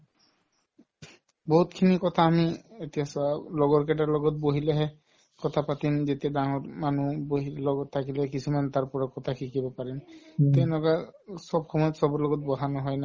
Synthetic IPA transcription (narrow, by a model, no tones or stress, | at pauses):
bɔɦutkʰinikɔt̪ʰaːmietijasɔalɔɡɔɹkɛʈ̬aɹlɔɡɔt̚boɦilɛɦɛ | kɔt̪ʰapatinzetijadaŋɔɹmanuboɦilɔɡɔtʰːakilɛɦɛkisʰumant̪aɹpɔɹakɔt̪ʰakʰikibɔpaɹint̪ɛlɔɡasɔbxɔmɔjɔtsɔbɔlɔɡɔt̚bɔɦanɔɦɔjna